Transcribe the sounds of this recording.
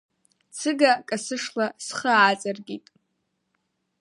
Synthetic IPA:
t͡sʰɨɡakʼasɨʂlasχəːt͡sʼarɡʲitʼ

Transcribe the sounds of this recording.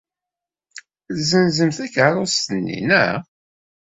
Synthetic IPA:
zənzəmθækːaɾˤʊst̪ənːḭnæ

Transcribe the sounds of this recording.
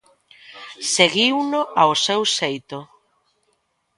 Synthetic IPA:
seɣiwnʊʔaosewsejt̪ʊ

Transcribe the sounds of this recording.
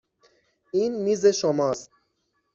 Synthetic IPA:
iːnmiːzeʃomɒst̪̚

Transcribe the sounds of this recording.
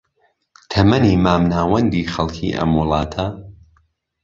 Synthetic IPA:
t̪ʰɐmɐniːmaːmnaːwɐnd̪iːxɐlˠkʰḭːʔɐ̰mwʊlˠɑːt̪ʰɐ

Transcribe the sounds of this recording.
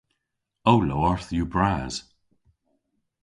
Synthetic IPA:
owloːəɹθjubɹaːz̥

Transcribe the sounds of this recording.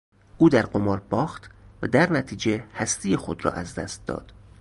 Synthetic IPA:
ʔuːd̪æɾɢomɒːɾbɒːxt̪væd̪æɾnæt̪ʰiːd͡ʒe̞hæst̪ijexo̞d̪rɒ̰ːʔæzd̪æ̰st̪̚d̪ɒ̰ːd̪̥

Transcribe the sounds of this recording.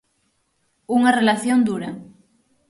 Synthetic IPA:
uŋarelaθjond̪uɾɐ

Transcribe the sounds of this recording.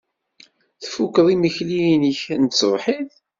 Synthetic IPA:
θfukːðˤiməçlijnəçnt͡sːvħið

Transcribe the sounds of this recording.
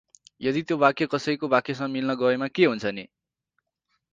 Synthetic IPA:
jʌd̪it̪jobakjekʌsʌjkobakjes̬ʌŋmilnʌɡʌemakeɦunt͡sʰʌne

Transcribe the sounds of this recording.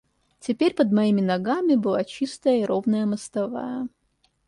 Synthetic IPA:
tʲɪpʲeɾʲpəd̪mɐimʲɪnɐɡamʲɪbɨlˠat͡ɕist̪əjəiɾovnəjəməst̪ɐva̰jə

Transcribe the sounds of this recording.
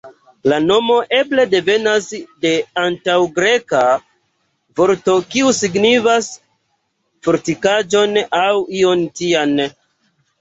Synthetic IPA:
lano̞mo̞ʔe̞ble̞de̞ve̞nasde̞antawɡɾe̞ka | vo̞ɾto̞kiusiɡnivas | fuɾtikad͡ʒo̞nawio̞ntian

